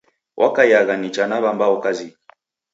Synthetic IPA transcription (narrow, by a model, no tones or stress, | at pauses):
wʔa̰kajaɣanit͡ʃanaβambaɔkazi